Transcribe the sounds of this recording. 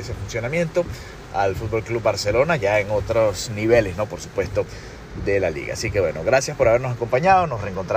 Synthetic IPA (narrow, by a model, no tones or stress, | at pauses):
esefunsjonamje̞nt̪o̞ | alfut̪̚bo̞lklubbaɾse̞lo̞naʝaeŋot̪ɾosniβe̞lesno̞po̞ɾsu̥pwe̞st̪o̞ | ðe̞lalḭɣa̰ːsike̞βwe̞no̞ɣɾasjaspo̞ɾaβe̞ɾnos̬ako̞mpaɲaðono̞sreŋko̞nt̪ɾ